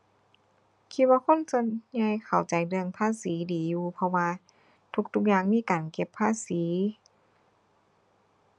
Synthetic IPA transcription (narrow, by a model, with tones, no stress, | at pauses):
kʰi˧t̪̚waː˧kʰo˧˥˨nso˧nɲa˧jkʰa˨˩wt͡ɕa˨˩jlɯ˧əŋpʰaː˧˥˨siː˨˦diː˨˩juː˧pʰɔ˧waː˧ | t̪ʰu˧k̚t̪ʰu˧˥k̚jaː˧ŋmiː˧˥˨kaː˨˩nke˧pʰːaː˧˥˨siː˩˦